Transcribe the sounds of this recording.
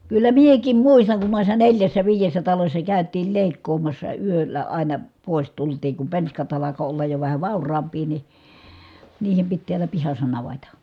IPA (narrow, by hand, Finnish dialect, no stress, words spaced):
kylːæ miekˑim muistɑŋ kun noˑisːɑ neljæsːæ ʋiːjesːæ tɑlosʲsɑ kæˑytˑiːl leˑikːoːmɑsːɑ yølːæ ɑˑinɑ poˑis tultiːŋ kum penskɑt ɑlɑko olːɑj jo ʋæhæ ʋɑˑurˑɑːmpˑiː ni niːhem pit tiælæ pihɑsˑɑ nɑʋetɑ